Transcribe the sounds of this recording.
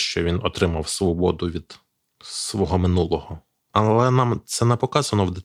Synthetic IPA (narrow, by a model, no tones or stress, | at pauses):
ʃt͡ʃɔʋʲinɔt̪ɾɪmɐwsʋɔbɔd̪ʊʋʲid̪̥ | sʋɔɦɔmɪnulˠɔhɔ | ɐlˠɛnɑmt̪sɛnɛpɔkɑzɐnɔwd̪e